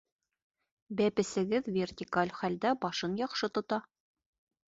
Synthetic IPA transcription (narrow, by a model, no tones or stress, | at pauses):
bæpɘ̆sɘ̆ɡɘðvʲertʲikalʲχæld̪æbɒʃɤnjɒqʃɤt̪ŏt̪ɑ